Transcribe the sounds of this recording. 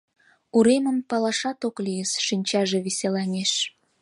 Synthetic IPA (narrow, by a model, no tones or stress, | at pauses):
uɾeməmpɑlɑʃɑt̪oklijəsʃinʲt͡ɕɑʒeβiselɑnʲeʃ